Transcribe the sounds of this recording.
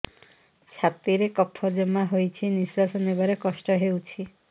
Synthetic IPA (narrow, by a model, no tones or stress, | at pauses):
t͡ʃʰat̪iɾekɔpʰːɔd͡ʒemaɦojt͡ʃʰiniswasɔnebaɾekɔsʈɔɦewt͡ʃʰi